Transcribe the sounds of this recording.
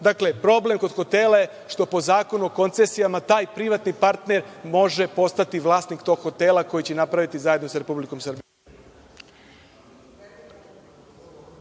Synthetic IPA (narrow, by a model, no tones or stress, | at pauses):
d̪akle̞pɾo̞ble̞mko̞d̪xo̞t̪e̞ːlˠaje̞ | ʃt̪o̞po̞zaːko̞nuoko̞nt̪sesijamat̪aːjpɾiʋat̪nipaɾt̪ne̞ɾmo̞ʒe̞po̞st̪at̪iʋlˠaːsnikt̪o̞ɡ̥xo̞t̪e̞ːlˠako̞jit͡ɕenapɾaʋit̪izaje̞d̪nosaɾe̞publiko̞msr̩bi